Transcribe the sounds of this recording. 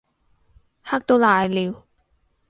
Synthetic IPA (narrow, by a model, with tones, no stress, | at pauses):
ha˥k̚t̪o˧˥wlaː˨˧jliː˨˧w